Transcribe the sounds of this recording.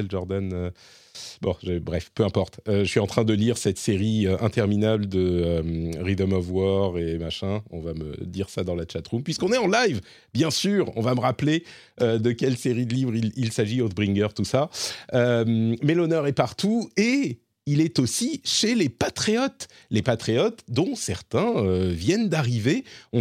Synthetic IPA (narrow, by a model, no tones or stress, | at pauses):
ɛlʒɔʁd̪anø | bɔ̃ʒəbʁɛfpøɛ̃pɔʁt̪øʒəsɥiɑ̃t̪χɛ̃d̪əliʁsɛt̪seʁiøʔɛ̰̃t̪ɛʁminabləd̪əømʁid̪ɔmɔvwɔʁemaʃɛ̃ɔ̰̃vamə̰d̪iʁsad̪ɑ̃lat͡ʃat̪ʁumpɥiskɔ̃nɛɑ̃lajv | bjɛ̃syːʁɔ̰̃vaməʁaple | ød̪əkʲɛlseʁid̪əlivʁililsaʒiot̪̚bʁiŋɡœʁt̪usaømmɛlɔnœʁɛpaʁt̪ue | ilɛt̪osiʃelepat̪χeɔt̪lepat̪χeɔt̪d̪ɔ̃sɛʁt̪ɛ̃øvjɛnd̪aʁiveɔ̃